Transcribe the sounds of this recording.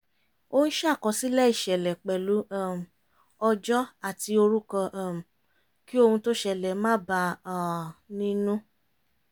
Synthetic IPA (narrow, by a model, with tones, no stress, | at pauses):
o˦hũ˦ʃa˦˨kɔ˨˧si˨˦lɛ˦i˦˨ʃɛ˨lɛ˨k͡pɛ˨lu˨˦ã˦˨m̩˨ | ɔ˧d͡ʒɔ˦a˦˨ti˧˦o˧ɾu˦kɔ̃˧ʔã˨m̩˨ | ki˦o˦˧hũ˧to˦ʃɛ˨lɛ˨mãː˦ba˧ã˨nĩ˧nũ˦